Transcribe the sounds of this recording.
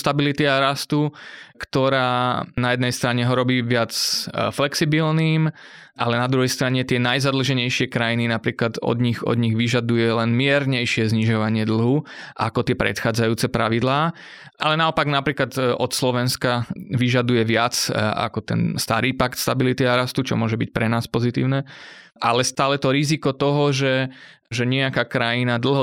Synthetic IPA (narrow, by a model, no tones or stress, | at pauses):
st̪abilit̪iaɾast̪ukt̪ɔɾaːnajɛd̪nɛjst̪ɾaɲɛɦɔɾɔbiːʋɪat͡sflɛksibilniːm | ʔalɛnad̪ɾuɦɛjst̪ɾaɲɛt̪ɪɛnajzad̪l̩ʒɛɲɛjʃɪɛkɾajininapɾiːklad̪ɔ̰d̪ɲiɣɔ̰d̪ɲiɣʋiʒad̪ujɛlɛnmɪɛɾɲɛjʃɪɛzɲiʒɔʋaɲɪɛd̪l̩ˠɦuʔa̰kɔt̪ɪɛpɾɛ̰t̪xaːd͡zajuːt͡sɛpɾaʋid̪laː | ʔalɛnaɔpaɡnapɾiːklad̪ɔt̪slɔʋɛnskaʋiʒad̪ujɛʋɪat͡sa̰kɔt̪ɛ̰nst̪aɾiːpakt̪st̪abilit̪iaɾast̪ut͡ʃɔ̰mʊɔʒɛbic̚pɾɛnaːspɔzit̪ḭːʊnɛ | ʔalɛst̪aːlɛt̪ɔɾizikɔt̪ɔɦɔʒɛ | ʒɛɲɪɛakaːkɾajinad̪l̩ˠɦɔ